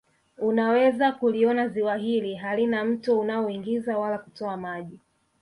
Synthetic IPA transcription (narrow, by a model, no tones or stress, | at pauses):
unawɛzakuliɔnaziwaɦiliɦalinam̩tuunaɔiŋɡizawalakutɔamaʄi